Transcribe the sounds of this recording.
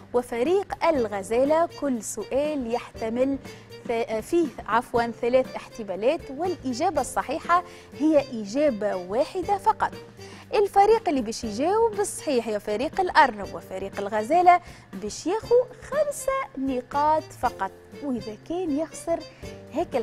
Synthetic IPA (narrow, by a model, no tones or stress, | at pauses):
wɪfæɾiːqʔɪlɣæzæːlakʊlːsʊʔæːljaħt̪amɪl | fiːʕafwaːnθælɛːθʔɪħt̪ɪmælɛːt̪wɪlʔɪʒæːbasˤːɑħiːħa | hɪjːæʔiʒæːbawaːħɪd̪afɑqɑt̪ˤ | ʔɪlfæɾiːqɪlːibɛːʃjʒæːwɪbɨsˤːħiːħhɪjːæfæɾiːqɪlʔɑɾˤnʊbwɪfæɾiːqɪlɣæzæːla | bɛːʃjæːxuxamsaniqɑːt̪fɑqɑt̪ˤwʔɪðækɛːnjɪxsˤɨɾhɛːkɪl